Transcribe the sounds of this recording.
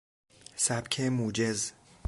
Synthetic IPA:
sæb̥kʰemuːd͡ʒez

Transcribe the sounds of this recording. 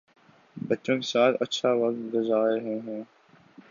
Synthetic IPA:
bɐtːʃõːkesaːt̪ʰɐtːʃʰaʋɐk̚t̪̚ɡʊzaːeɦɛ̃ɦɛ̃ː

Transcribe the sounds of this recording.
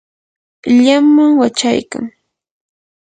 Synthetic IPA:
ʎamːaŋwat͡ʃajka̰ŋ

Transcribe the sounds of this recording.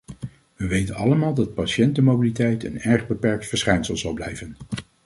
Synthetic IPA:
ʋəʋejtənɑ̰ləmaːlˠdɑt̚pɑʃɛntəmowbilitɛjtə̰nɛɹχbəpɛɹk̚tfəɹsχɛjnsəlˠzɑlˠblɛjvən

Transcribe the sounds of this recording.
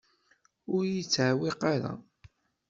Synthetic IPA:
ʊɾjət͡sːʕawɪqaɾa̰

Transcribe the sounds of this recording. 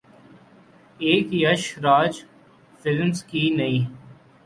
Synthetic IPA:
eːkjəʃɾaːd͡ʒ | fɪlmzkinɐĩː

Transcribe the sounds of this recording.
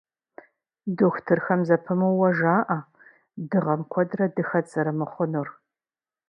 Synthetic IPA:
doxʷtʰɨrxɐmzɐpʰɨmɨwwːɐʒaːʔa | dɨʁɐmkʷʰɔdrɐdɨxɐt͡sʼɨɾɨmɨχʷʊnur

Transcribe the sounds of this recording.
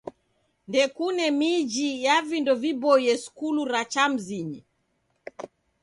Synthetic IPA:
ndɛkunɛmid͡ʒijavindɔvibɔjɛsu̥kuluɾat͡ʃam̩ziɲi

